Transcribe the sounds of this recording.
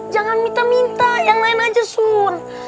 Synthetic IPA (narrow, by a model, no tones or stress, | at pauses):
d͡ʒaŋanmint̪amint̪ajaŋlainad͡ʒasur